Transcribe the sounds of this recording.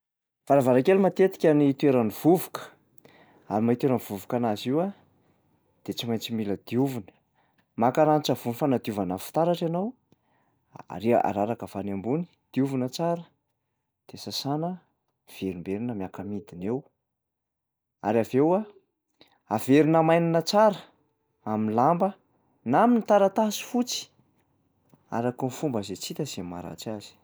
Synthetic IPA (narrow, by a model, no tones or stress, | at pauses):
v̥aɾavaɾakelimat̪et̪i̥kʲaniit̪ueɾaniv̥uvu̥kə̥ | aɾimait̪weɾanivuvukanaziwa | d̪̥et͡simajnt͡similəd̪̥iuvunə̥ | makaɾanit͡ʃavunifanad̪iuvanəfi̥t̪aɾaʈ͡ʂanaw | a̰ɾiʔa̰ɾaɾakəvanambuni̥d̪̥iuvunət͡saɾə | d̪̥esasanə | v̥eɾimbeɾinəmjakamid̪inew | a̰ɾavewa | aveɾinəmajninət͡saɾə | aminlambə | naminit̪aɾat̪asi̥fut͡si̥ | a̰ɾakunifumbazet͡sit̪əzemmːa̰ɾa̰t͡siaz̥i̥